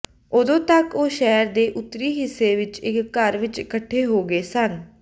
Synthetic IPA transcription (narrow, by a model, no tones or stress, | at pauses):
ʊd̪õːt̪əkoːʃɛːɾd̪eːʔʊt̪ːɾiːɦɪsːeːʋɪt͡ʃɪkːəɾʋɪt͡ʃkəʈʰːeːɦoːɡeːsən